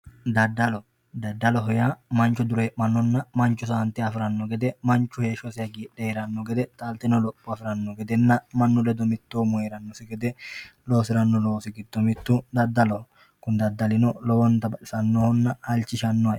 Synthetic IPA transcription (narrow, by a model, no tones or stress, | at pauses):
d̪ɐd̪ːɐlɔ | d̪ɐd̪ːɐlɔɦɔjaːmɐnt͡ʃʊd̪ʊɾemɐnːɔnːɐmɐnt͡ʃʊsaːnt̪ɪɐfɪɾɐnːɔɡɛd̪ɛmɐnt͡ʃʊheːʃɔsɪɐɡiᶑːɛɛɾɐnːɔɡɛd̪ɛt̪ʼɐlt̪ɪnɔlɔpːɔɐfɪɾɐnːɔɡɛd̪ɛnːɐmɐnːʊlɛd̪ɔmɪt̪ːoːmʊheɾɐnːɔsɪɡɛd̪ɛloːsɪɾɐnːɔloːsɪɡɪd̪ːɔmɪt̪ːud̪ɐd̪ːɐlɔ | kʊnd̪ɐd̪ːɐlɪnɔlɔwɔnt̪ɐbɐᶑɪsɐnːohɔnːɐhɐlt͡ʃɪʃɐnːɔɐʔ